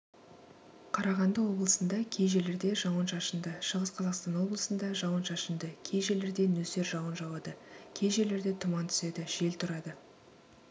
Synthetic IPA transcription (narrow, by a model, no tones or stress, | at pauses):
qʰɑɾɑʁɑnd̪əwo̞blˠəsənd̪ɑkʲʰe̞jʒe̞leɾd̪e̞ʒɑwənʃɑʃənd̪əʃəʁəsqʰɑzɑqst̪ɑnwo̞blˠəsənd̪ɑʒɑwənʃɑʃənd̪əkʲʰe̞jʒe̞leɾd̪e̞nɵse̞ɾʒɑwənʒɑwɑd̪əkʲʰe̞jʒe̞le̞ɾd̪e̞t̪ʰʊmɑnt̪ʰʏ̥se̞d̪ɪʒ̥e̞lt̪ʰʊɾɑd̪ə